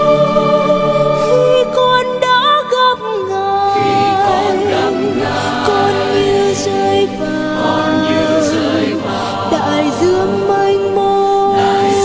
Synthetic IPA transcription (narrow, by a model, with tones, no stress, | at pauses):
xi˧kɔ˧nɗɔ˧˥ɣə˧˩p̚ŋaə˧˩ | kɔ˧nɲɨ˧zə˧jva˨˩kɔ˧˩n˧ | ɗ̪a̰ː˧˨jzɨ˧əŋmə˧jŋmo˧